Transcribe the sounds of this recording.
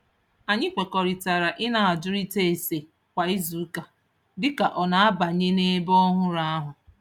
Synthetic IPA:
a˨ɲɪ˦kʷe˨kɔ˨ɾi˨ta˨ɾa˨ʔɪ˦na˨a˨d͡ʒʊ˦ɾi˦te˦e˨se˨ | kʷa˨i˦zu˨˦ka˨ | dɪ˦ka˨ʔɔ˨na˨a˦ba˨ɲe˦ne˦bɔ˦ɦʊ˦ɾa˦a˦ɦʊ˨

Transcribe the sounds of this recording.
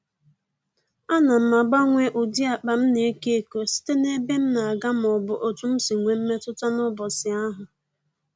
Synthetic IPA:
a˦na˨m̩˦ma˨ɡ͡ba˦ŋʷe˦ʔʊ˨di˦a˨k͡pa˨m̩˦ne˨e˦ke˦e˦ko˨si̥˦te˦ne˦be˦m̩˦na˨a˨ɡa˦m˨ɔ˨bʊ˨ʔo˨tu˦m̩˦si˨ŋʷe˨m̩˦me˦tʊ˦ta˦nʊ˦bɔ˨sɪ˨a˦ɦʊ˨

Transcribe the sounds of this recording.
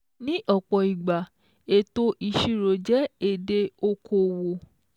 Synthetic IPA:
nĩ˦ʔɔ˦˨k͡pɔ˨i˨ɡ͡ba˨ | e˦˨to˦ʔi˧ʃi˦˧ɾo˨d͡ʒɛ˦e˦˨de˧o˧kʰo˦˨wo˨

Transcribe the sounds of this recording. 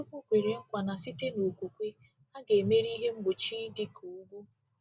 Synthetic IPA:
u˦kʷu˦kʷe˨ɾe˨ŋ̩˦kʷa˨na˨si˦te˦no˨kʷu˨kʷe˦ | a˦ɡe˨me˦ɾi˦ɦe˦ŋ͡m̩˦ɡ͡bʊ˨t͡ʃi˦di˦ku˨u˦ɡʷu˦

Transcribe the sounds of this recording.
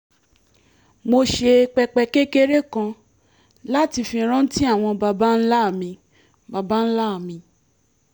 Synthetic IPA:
mo˧ʃe˧k͡pɛ˧k͡pɛ˧ke˦ke˦ɾe˦kã˧ | la˦ti˧fĩ˧˦ɾ̃ã˦n̩˦ti˦a˦˨w̃ɔ̃˧ba˧ba˦n̩˦la˦˨mĩ˧ | ba˧ba˦n̩˦la˦˨mĩ˧

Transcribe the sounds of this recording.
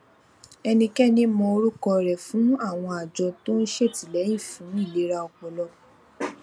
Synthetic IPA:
ɛ˧nĩ˧kɛ˦nĩ˦mɔ̃˧o˧ɾu˦kɔ˧ɾɛ˨fũ˨˦a˦˨w̃ɔ̃˧a˨d͡ʒɔ˧to˦n̩˦ʃe˦˨ti˨lɛ˨˦ĩ˦˨fũ˨˦i˦˨le˨˦ɾa˧ɔ˧k͡pɔ˨lɔ˧˦

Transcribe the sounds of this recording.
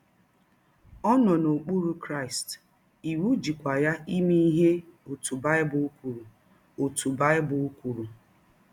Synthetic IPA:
ɔ˦nɔ˨no˨k͡pu˦ɾu˦kɾa˦˨ɪ˨st | i˨wu˦d͡ʒi˨kʷa˨ja˦i˦mi˦i˦ɦe˦o˨tu˨ba˦ɪ˦bʊ˨u˦kʷu˨ɾu˨ | o˨tu˨ba˦ɪ˦bʊ˨u˦kʷu˨ɾu˨

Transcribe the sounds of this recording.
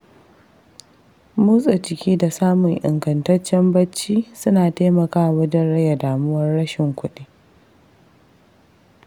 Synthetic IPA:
muː˦sʼɐ˨t͡ʃɪ˨kʲiː˦da˨saː˦mʊ˨ŋʔɪ̰˨ŋɡɐ˨ntɐ˦t͡ʃːɛ˦mbɐ˦t͡ʃːiː˦sʊ˦naː˨ta˦mɐ˨kaː˦a˨wɐ˦dɪ˦nɽɐ˦ja˨daː˨mʊ˦wɐ˦rɽɐ˦ʃɪ˨ŋkʷʊ˦ɗi˦

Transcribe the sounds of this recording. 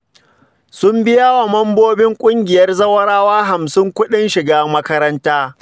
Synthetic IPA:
sʊ˦mbɪ˦jaː˦wa˨mɐ˦mboː˦bɪ˦ŋkʷʼʊ˦ŋɡʲɪ˨jɐ˦rzɐ˦wɐ˦ɽaː˦waː˦ɦa˨msɪ˦ŋkʷʊ˦ɗɪ˦nʃɪ˨ɡaː˦mɐ˦kɐ˦ɾɐ˦ntaː˦

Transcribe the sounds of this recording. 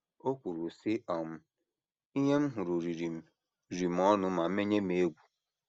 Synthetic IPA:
o˦kʷu˨ɾu˨sɪ˦ʔɔ˨m̩˦ | i˦ɦe˦m̩˦ɦʊ˨ɾu˨ɾi˨ɾi˨m̩˨ | ɾi˨m̩˨ɔ˦nʊ˦ma˨˦me˦ɲe˦m˦e˦ɡʷu̥˨

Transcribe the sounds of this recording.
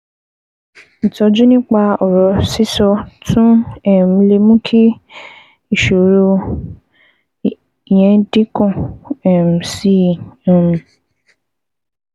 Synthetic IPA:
n̩˨tɔ˧d͡ʒu˦nĩ˦k͡pa˧ɔ˨ɾɔ˨˦si˦sɔ˧tũ˦ɛ˦˨m̩̃˨˦le˧mũ˦kʰi˦ | i˦˨ʃo˨ɾo˧ | i˨jɛ̃˨˦dĩ˦kɔ̃˦˨ɛ˨m̩˨si˦˨ũ˨m̩̃˨

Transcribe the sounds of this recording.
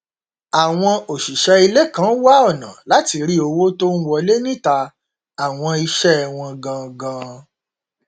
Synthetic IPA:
a˨w̃ɔ̃˧o˨ʃi˨ʃɛ˧i˧le˦kã˨˦wa˦ɔ˦˨nã̰˨la˨˦ti˧ɾi˦o˧wo˦to˦ñ̩˦wɔ˧le˦nĩ˦˨ta˧ | a˨w̃ɔ̃˧i˧ʃɛ˦˧˨w̃ɔ̃˧ɡã˧ɡã˧

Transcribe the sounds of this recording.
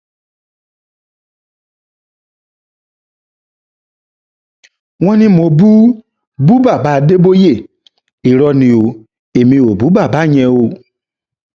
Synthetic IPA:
w̃ɔ̃˦nĩ˧˦mo˨bu˦ | bu˦ba˦˨ba˨˦˨de˦bo˦je˦˨ | i˨ɾɔ˧nĩ˨˧o˨ | e˨mĩ˧o˨bu˨˦ba˦˨ba˨˦˨ɲɛ̃˧o˧

